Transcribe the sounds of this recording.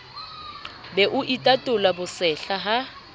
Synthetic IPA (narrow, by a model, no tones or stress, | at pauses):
bɛʔʊʔitʼatʼʊlabʊsɛɬaɦa